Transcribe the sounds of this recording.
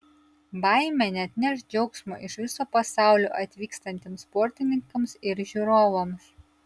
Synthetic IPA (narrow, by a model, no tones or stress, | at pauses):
bɐˑɪmʲɛnʲɛt̪ʲnʲɛʃd͡ʒʲɛʊksmo̰ːʔɪʃʋʲɪsoːpɐsɑˑʊlʲo̰ːʔɐt̪ʲʋʲiːkst̪ɐnʲt̪ʲeːmspɔɾʲt̪ʲɪnʲɪŋkɐmsɪɾʒʲuːɾoːʋɐms